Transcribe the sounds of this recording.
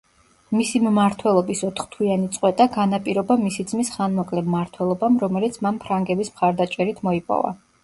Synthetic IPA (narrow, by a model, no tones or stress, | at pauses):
misimmaɾt̪ʰwɛlˠɔbisɔt̪ʰχt̪ʰwianit̪sʼqʼwɛt̪ʼaɡanapʼiɾɔbamisid̪zmisχanmɔkʼlɛmːaɾt̪ʰwɛlˠɔbamɾɔmɛlit̪sʰmanpʰɾaŋɡɛbismχaɾd̪at͡ʃʼɛɾit̪ʰmɔipʼɔ̰va̰